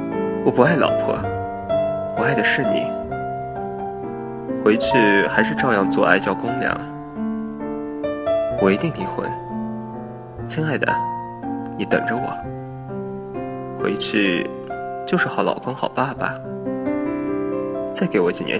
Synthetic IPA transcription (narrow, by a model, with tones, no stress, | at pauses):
wɔ˨˩pu˧˥a˥˩ɪlɑ̰˨˩ʊpʰɤ̰˥˩ | pu˧˥a˥˩ɪd̪ə˩ʂɻ̩˥˩nḭ˨˩˦ | xwe˧˥ɪt͡ɕʰy˥˩xa˧˥ɪʂɻ̩˥˧ʈ͡ʂɑ˥˧ʊjɑ˥˧ŋt͡swɔ̰˥˧a˥˧ɪt͡ɕjɑ˥˩ʊkʊ˥ŋljɑ̰˧˥˦ŋ | wɔ˨˩i˧˥t̪i˥˩ŋi˧˥xwə̰˧˥n | t͡ɕʰi˥ŋa˥˩ɪd̪ə̰˩ | ni˨˥t̪ɤ̰˨˩ŋʈ͡ʂə˧˦wɔ̰˨˩˦ | xwḛ˧˥ɪt͡ɕʰy˥˧ | t͡ɕjo˥˧ʊʂɻ̩˥˩xɑ˧˥ʊlɑ̰˨˩ʊkʊ˥ŋxɑ˨˩ʊpa˥˩ba̰˨˩ | t͡sa˥˩ɪke˧˥ɪwɔ˧˥t͡ɕi˨˩njʔɛ̰˧˥